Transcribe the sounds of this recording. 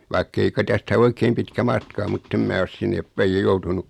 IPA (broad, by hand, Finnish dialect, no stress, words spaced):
ʋɑikːei kɑ tæstæ oikeːm pitkæ mɑtkɑ o mutː em mæː os sinːeːp pæij jɑ joutunuk